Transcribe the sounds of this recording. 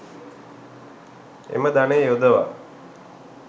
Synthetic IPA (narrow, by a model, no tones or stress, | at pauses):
ḛməd̪anejod̪əʋa̰